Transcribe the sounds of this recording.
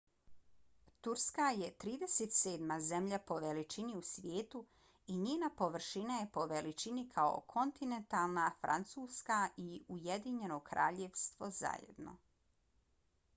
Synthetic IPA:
t̪uɾskaje̞t̪ɾiːd̪eset̪seːd̪maze̞mʎapo̞ʋelit͡ʃiniusʋjeːt̪u | iɲeːnapoʋr̩ʃinajepo̞ʋelit͡ʃinikʰao̞̰kʰo̞nt̪ine̞nt̪alˠnafɾa̰nt̪suːskaʔiujed̪iɲe̞no̞kɾa̰ːʎeʋst̪ʋo̞za̰jḛd̪no̞̰

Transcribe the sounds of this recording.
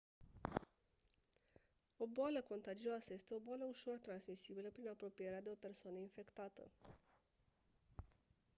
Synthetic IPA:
o̞boaləko̞nt̪ad͡ʒioasəje̞st̪e̞o̞boaləuʃo̞rt̪ɾansmisibiləpɾinapɾo̞pije̞ɾead̪e̞o̞pe̞rsoanəinfe̞kt̪at̪ə̰

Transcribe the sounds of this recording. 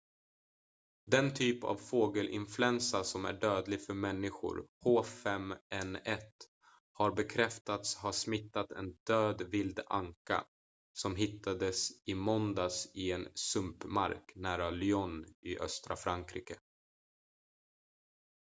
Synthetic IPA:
d̪ɛnt̪ʰyːpa̰vfoːɡəlʔɪ̰nflʉɛnsasɔmæ̰ɖøːd̪lɪɡfœɾmɛnːɪɧʊ̰ɾhoːfɛmɛnɛt̪ | haɾbɛkʰɾɛft̪at̪shaʂmɪt̪ːat̪ɛ̰nd̪̥øːd̪vɪld̪aŋka̰ | sɔmɦɪt̪ʰːad̪əsɪmɔnd̪asɪɛnsɵmpma̰ɾknæːɾalʏɔnɪʔœ̰st̪ɾa̰fɾaŋkʰɾiːkə

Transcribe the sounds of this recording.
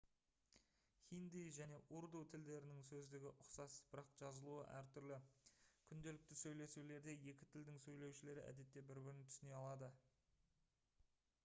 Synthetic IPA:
χʲijnd̪ijʒæne̞ʔuɾd̪ut̪ʰɪld̪e̞ɾɪnɪŋsɵzd̪ɪɡʲɪʔʊqsɑsb̥ɪɾɑqʒ̥ɑzəlˠuə̰ʔæɾt̪ʰʏɾlɪkʲʰʏnd̪e̞lɪk̚t̪ɪsɵjle̞sule̞ɾd̪e̞je̞kʲɪ̥t̪ʰɪld̪ɪŋsɵjle̞wʃɪle̞ɾɪʔæ̰d̪e̞t̪ːe̞bɪɾbɪɾɪnt̪ʰʏsɪne̞ɑlˠɑd̪ə

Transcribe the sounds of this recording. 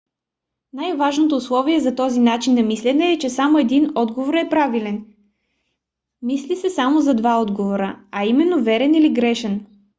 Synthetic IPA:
najvaʒnot̪̬oːslˠɔviɛzɐt̪ɔzinat͡ʃinːɐmislɛnɛːt͡ʃɛsamoɛd̪inɔd̪ɡovoɾɛpɾavilɛn | mislisɛsamozɐd̪vaɔd̪ɡovoɾəɐimɛnːovɛɾɛniliɡɾɛʃɛn

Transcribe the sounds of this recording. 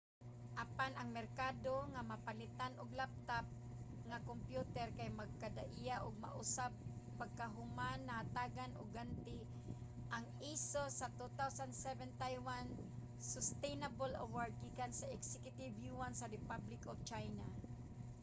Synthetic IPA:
ʔapanaŋmɛrkad̪oŋamapalɪt̪anʔʊɡlap̚t̪ap̚ | ŋakompjut̪ɛɾkajmaɡ̚kad̪a̰ʔijaʔʊɡ̚ma̰ʔʊsab̚ | paɡ̚kaɦʊmanːahat̪aɡanʔʊ̰ɡhant̪ɪ | ʔaŋ | isosat̪ut̪awsand̪sɛvɛnt̪ajwan | sʊst̪ejnabola̰waɹd̪̚ɡikansaʔɛksɛkjʊt̪ɪvjuansaɾɪpablɪkɔvt͡ʃajna

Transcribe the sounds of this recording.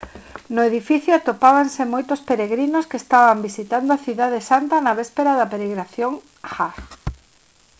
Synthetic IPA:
nʊeðifiθjʊat̪opaβansemojt̪ʊspeɾeɣɾinʊskest̪aβambisit̪and̪oaθiðaðesant̪ɐnɐβɛspeɾaðɐpeɾeɣɾaθjoŋ | xa

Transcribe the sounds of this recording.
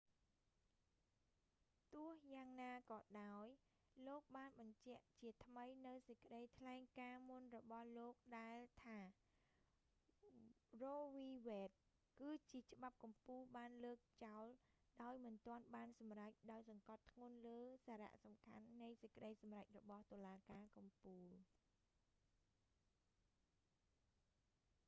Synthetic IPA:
t̪ʊəhjaːŋnaːkɑːɗaɔj | loːk̚ɓaːnɓɑɲt͡ɕɛ̆əʔt͡ɕiət̪ʰməjnɨwsəckə̆ɗəjt̪ʰlaɛŋkaːmunrɔɓɑhloːk̚ɗaɛlt̪ʰaː | roːʋiːʋɛːt̪̚ | kɨːt͡ɕiət͡ɕə̆ɓap̚kɑmpuːlɓaːnləːk̚t͡ɕaɔlɗaɔjmɨnt̪ŏənɓaːnsɑmrac̚ɗaɔjsɑŋkɑt̪ʰːŋʊ̆ənləːsaːɾa̰ʔsɑmkʰa̰nːɨjsəc̚kə̆ɗəjsɑmrac̚rɔɓɑht̪ŏəlaːkaːkɑmpuːl

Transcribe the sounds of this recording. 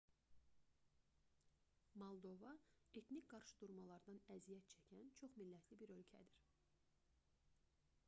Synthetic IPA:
molˠd̪o̞vɑe̞t̪nicʲɡɑɾʃɯd̪̥uɾmɑlˠɑɾd̪ɑnæzijæt̪̚t͡ʃʰæcʰænt͡ʃʰo̞χmilːæt̪ʰlibiɾø̞lcʰæ̰d̪iɾ

